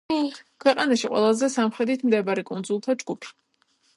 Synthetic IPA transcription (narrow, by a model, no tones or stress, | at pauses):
kʰwɛqʼanaʃiqʼwɛ̰lˠazɛsamχɾɛd̪it̪ʰmd̪ɛbaɾikʼunzulˠt̪ʰad͡ʒɡupʰi̥